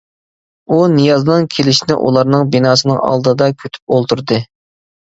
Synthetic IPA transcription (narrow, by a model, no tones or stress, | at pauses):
unɨjɑznɨŋkʲʰelɪʃinɪ̰ʔṵlˠɑɾnɨŋbinɑːsɨnɨŋɑ̰lˠd̪ɨd̪ɑkʲʰøt̪ʰy̥p̚olˠt̪uɾd̪ɨ